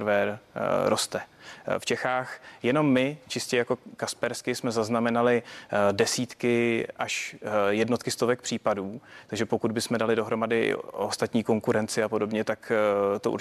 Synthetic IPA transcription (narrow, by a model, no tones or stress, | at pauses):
ɾvɛɾɾo̞st̪ɛft͡ʃɛxaːxjɛno̞mːɪt͡ʃɪscɛjako̞kaspɛɾskɪsmɛzaznamɛnalɪdɛsiːt̪kɪʔaʃjɛdno̞t̪̚kɪst̪o̞vɛk̚pr̥iːpaduːt̪aɡʒɛpo̞kud̪̚bɪsmɛdalɪdo̞ɦɾo̞madɪ̰ʔo̞st̪at̪ɲiːko̞ŋkuɾɛnt͡sɪapo̞do̞bɲɛt̪akt̪oṵɾ